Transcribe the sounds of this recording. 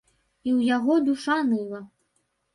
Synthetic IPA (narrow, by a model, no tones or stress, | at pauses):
iwjaɣɔd̪uʂanɨlˠɐ